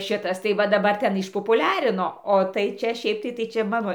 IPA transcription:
ˈʃʲɪtɐs tɐɪ ʋɐ dɐˈbɐr ˈtʲɛn ɪʃpoːpʊˈlʲæːrʲɪnoː oː tɐɪ ˈt͡ʃʲɛ ˈʃʲɛɪp tɐɪ ˈt͡ʃʲɛ ˈmɑːnoː

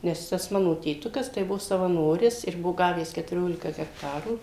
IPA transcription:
ˈnʲɛs ˈtɐs ˈmɑːnoː tʲeːˈtʊkɐs tɐɪ ˈbʊʋoː sɐʋɐˈnoːrʲɪs ɪr ˈbʊʋoː ˈɡɑːʋʲæːs kʲɛtʊˈrʲoːlʲɪkɐ ɡʲɛkˈtɑːruː

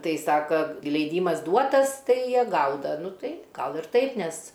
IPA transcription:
ˈtɐɪ ˈsɑːkɐ lʲɛɪˈdʲiːmɐs ˈduɔtɐs ˈtɐɪ ˈjiɛ ˈɡɐʊdɐ ˈnʊ ˈtɐɪ ˈɡɐlˠ ɪr ˈtɐɪp ˈnʲɛs

